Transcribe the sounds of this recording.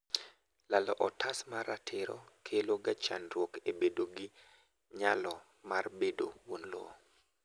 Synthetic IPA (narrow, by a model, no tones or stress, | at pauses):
lalɔʔɔtʰasmaɾatʰɪɾɔ̰kʰeloɡat͡ʃa̰nrwokebedoɡi | ɲalɔ | marbedo̰wonlo̰